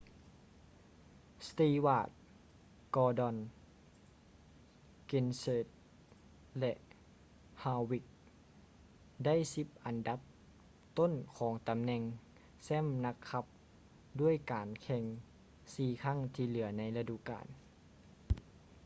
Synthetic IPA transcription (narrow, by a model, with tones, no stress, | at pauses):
st̪iː˧waː˧˩t̪̚ | kɔː˧dɔ˧˩n | ke˧nseː˧˩t̪̚ | lɛ˧ʔ | haː˧wi˧˩k̚ | da˥˨jsi˧˥p̚ʔa˨˩nda˧˦˥p̚ | t̪o˥˨nkʰɔː˩˦ŋt̪a˨mnɛ˧ŋ | sɛː˥˨mna˧˥kʰːa˧˥p̚ | du˥˩əjkaː˨˩nkʰɛ˧ŋ | siː˧˩kʰa˥˨ŋt̪ʰiː˧lɯ˩˦ɐna˧˥jla˧du˧ka̰ː˨˩n